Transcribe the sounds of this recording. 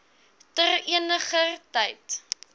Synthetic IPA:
təriənəχətɛjt

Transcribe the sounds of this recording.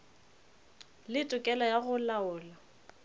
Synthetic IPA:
lɪtʼʊkʼɛlajaɣʊlaʊːla

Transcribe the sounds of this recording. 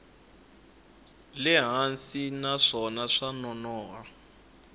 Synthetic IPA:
lɪɦansinaʂɔnaʂanɔnɔːɦa

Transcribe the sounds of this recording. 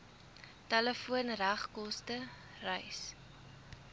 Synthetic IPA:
tɛləfuənræχkɔstə | rəjs

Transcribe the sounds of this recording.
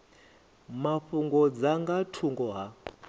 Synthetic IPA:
maɸuŋɡɔd͡zaŋɡatʰuŋɡɔɦa

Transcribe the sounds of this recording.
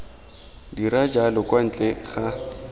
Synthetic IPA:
diɾad͡ʒalɔkwan̩t͡ɬʼɛχa

